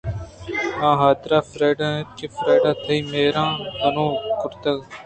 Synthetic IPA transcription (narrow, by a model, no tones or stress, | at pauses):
ãːɦaːd̪ɾaːfɾeːɖãːt͡ʃefɾeːɖãːt̪ʰəiːmeːɾãːɦənõːkʊɾt̪əɡ